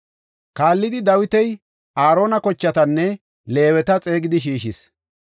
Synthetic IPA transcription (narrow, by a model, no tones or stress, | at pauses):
kaːlːɪd̪ɪd̪ɐwɪt̪ɛj | ʔaːɾo̞ːnɐkɔt͡ʃːɐt̪ɐnːɛ | le̞ːwɛt̪ɐt͡sʼe̞ːɡɪd̪ɪʃiːʃɪs